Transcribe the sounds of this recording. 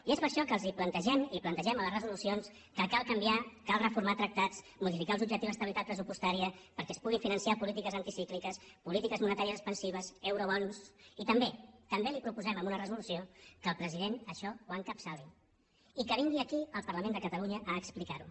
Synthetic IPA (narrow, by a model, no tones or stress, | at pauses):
iespəɾʃɔkəːlˠziplənt̪əʒɛmiplənt̪əʒɛmələzrəzulusions | kəkalˠkəmbiakalˠrəfuɾmat̪ɾək̚t̪at͡s | muðifikalˠzubʒək̚t̪iwəst̪əβilit̪at̪̚pɾəsupust̪aɾiəpəɾkɛəspuɣ̞iɱfinənsiapulit̪ikəzənt̪isiklikəspulit̪ikəzmunət̪aɾiəzəspənsiβ̞əzɛwɾoβɔnusit̪əmbet̪əmbelipɾupuzɛməmbunərəzulusiokəːlˠpɾəziðenəʃɔwaŋkəpsali | ikəβiŋɡiəkiəlˠpərləmend̪əkət̪əluɲəʔəːksplikaɾṵ